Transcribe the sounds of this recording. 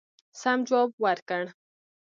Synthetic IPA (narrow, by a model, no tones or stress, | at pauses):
samd͡ʒobwaɾkaɳ